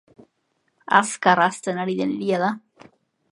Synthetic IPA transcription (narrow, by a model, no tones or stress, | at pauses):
a̰skaɾast̪enaɽid̪enlijaða